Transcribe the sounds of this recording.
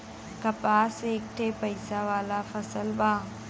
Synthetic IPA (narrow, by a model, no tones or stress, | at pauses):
kɐpaːseːk̚ʈʰepəjsaʋaːlafʰɐsəlbãː